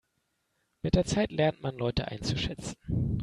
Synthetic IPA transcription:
mɪt̚d̥eːɐt͡saɪtlɛɐntmanlɔʏtəʔa̰ɪnt͡suʃɛt͡sn̩

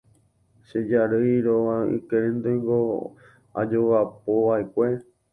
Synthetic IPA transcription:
ʃed͡ʒaɾɨjɾoaḭkeɾɨ̃nd̪ojŋɡo | a̰d͡ʒowap̚oʋaekʷe̞

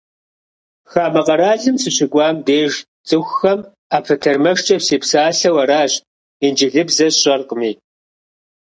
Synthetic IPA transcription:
xaːmɐqɐɾaːɮɨmsɨɕɪɡʷɑːmdeːʒ | t͡sʼɨxʷxɐm | aːpʰɨtʰɐrmɐʂt͡ʃʼɐpseːpsaːɬɐwɐɾaːɕ | ind͡ʒɪɮɨbzɐɕʼɐrqəmiː

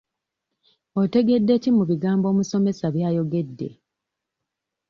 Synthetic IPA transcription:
o̞te̞ɡe̞dːe̞cimuβiɡaːmbo̞ːmuso̞me̞saβjaːjo̞ɡe̞dːe̞̰

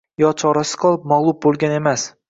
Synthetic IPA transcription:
jɒt͡ʃʰɒɾasɪ̥qʰɒlˠɪp̚maʁlˠʊp̚bolˠɡʲane̞mas

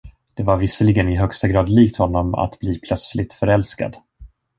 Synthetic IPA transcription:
d̪̥ɛvaɾvɪsəlɪɡənɪɦœkst̪aɡɾɑːd̪liːkt̪hɔnːɔma̰t̪bliːpʰlœt̪slɪt̪fœɾɛlska̰d̪

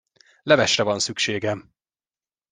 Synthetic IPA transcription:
lɛvɛʃrɛvɒnsykʃeːɡɛm

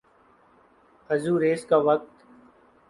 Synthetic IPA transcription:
əzuːɾeːskaːʋək̚t̪

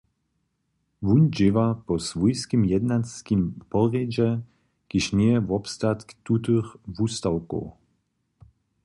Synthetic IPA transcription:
vund͡ʒɪvapɔsvujskimjɛd̪naskimpɔʁɛd͡ʑɛ | ɡ̥ɪʃnɛɛvɔpst̪at̪kt̪ːut̪ɨxvust̪awkɔ̰w

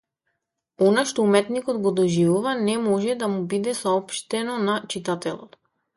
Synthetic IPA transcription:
ɔnaʃt̪ɔumɛt̪nikɔt̪ɡɔd̪ɔʒivuvanɛmɔʒɛd̪amubid̪ɛsaɔpʃt̪ɛnɔnat͡ʃit̪at̪ɛlˠɔ̰t̪

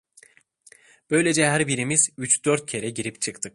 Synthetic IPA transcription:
b̥ø̞jlʲe̞d͡ʒɛɦæɾbiɾimiz̥yt͡ʃd̪̥øɾt̪̚cʰe̞ɾɛɟiɾipt͡ʃʰɯkt̪ʰɯk̚

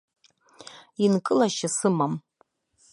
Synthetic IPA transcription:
inkʼɨlaʃasɨmam

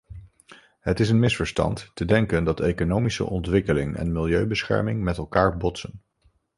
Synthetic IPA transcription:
ɦətɪs̬ənmɪsfəɹstɑ̰ntːədɛŋkəndɑtejkonowmisə̰ʔɔntʋɪkəlɪŋɛ̰nmɪlˠjøɥbəsχɛ̰ɹmɪŋmɛtɛlˠkaːɹbɔtsən

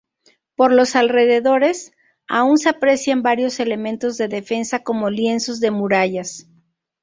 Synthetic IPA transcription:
po̞ɾlo̞salre̞ðe̞ðo̞ɾe̞s | a̰unseapɾe̞sjambaɾjo̞se̞le̞mẽ̞nt̪o̞zðe̞ðe̞fe̞nsako̞mo̞lje̞nso̞zðe̞muɾaʝas

